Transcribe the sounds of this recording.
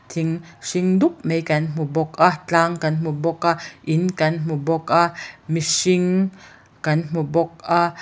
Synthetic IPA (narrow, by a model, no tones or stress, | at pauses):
t̪ʰiŋsiŋd̪uk̚mejkanmubɔkat͡ɬaŋkanmubɔkaʔinkanmubɔkamiʃiŋ | kanm̥ubɔk̚a